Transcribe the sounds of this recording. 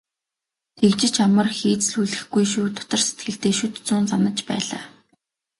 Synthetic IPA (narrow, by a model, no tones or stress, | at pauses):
t̪ʰekt͡ɕɪ̆t͡ɕamə̆rxiːt͡sɮuɮɘ̆xɡujʃuːt̪ʰʊ̥t̪ə̆r̥se̥t̪̚ɡɘ̆ɬt̪eːʃɵt̪t͡suːnt͡sanə̆t͡ɕpæ̰ːɮa̰ː